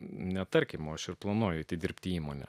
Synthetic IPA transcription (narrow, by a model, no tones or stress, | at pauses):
nʲɛt̪ɐɾʲkʲɪmoɐʃɪɾplˠɐnuɔjʊɪt̪ʲɪd̪ʲɪɾʲpʲt̪ʲɪiːmoːnʲɛ̰